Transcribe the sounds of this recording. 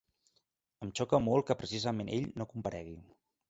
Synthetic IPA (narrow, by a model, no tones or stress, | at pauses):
əmt͡ʃɔkəmolˠkəpɾəsizəmenʔḛʎnokumpəɾɛɣ̞i